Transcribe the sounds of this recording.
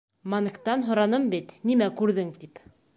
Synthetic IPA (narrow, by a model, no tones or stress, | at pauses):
mɑnkt̪ɑnɦŏɾɑnɤmbit̪nimækʉɾðɘŋt̪ip